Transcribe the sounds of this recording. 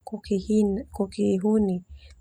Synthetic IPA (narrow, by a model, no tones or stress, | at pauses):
k | kukiːɦuni